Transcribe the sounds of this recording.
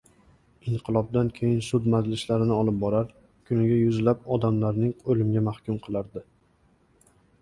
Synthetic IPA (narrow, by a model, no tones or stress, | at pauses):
ɪɴqʰɨlˠɒb̚d̪ankʲʰe̞jɪnsʊd̪mad͡ʒlɪʃlaɾɪnɪɒlˠɪp̚bɒɾaɾ | kʰʊnɪɡʲajʊzlap̚ɒd̪amlaɾnɪŋolɪmɡʲamahkʲʰʊmqʰɨlˠaɾd̪ɪ